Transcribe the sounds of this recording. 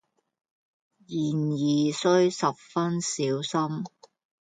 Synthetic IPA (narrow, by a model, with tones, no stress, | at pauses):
jiː˨˩njiː˨˩sɵ˥ɥsɐ˨p̚fɐ˥nsiː˨˥wsɐ˥m